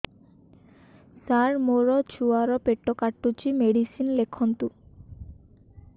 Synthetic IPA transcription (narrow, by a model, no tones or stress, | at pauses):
saɾmoɾɔt͡ɕʰuaɾɔpeʈːɔkaʈːut͡ɕimeɽisinlekʰɔnt̪u